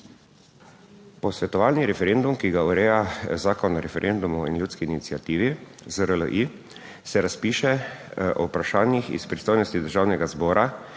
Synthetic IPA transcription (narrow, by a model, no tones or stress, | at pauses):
pɔsʋɛt̪ɔʋaːlniɾɛfɛɾend̪umkiɡauɾɛːjazaːkɔnɾɛfɛɾʔend̪umuḭnljuːt̪skiːnit̪siat̪iːʋizəɾələ̰ʔi | sɛɾaspiːʃɛɔ̰upɾaʃaːnjixḭspɾist̪oːjnɔst̪id̪əɾʒaːwnɛɡazbɔːɾʔa